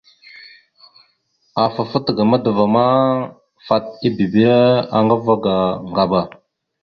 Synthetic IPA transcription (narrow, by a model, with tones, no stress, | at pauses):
a˨fa˨fə˦tɡa˨ma˦də˨va˨ma˦ | fa˨t̚i˦bi˨bi˦a˨ŋɡa˦va˦ɡa˨ŋɡa˨ba˨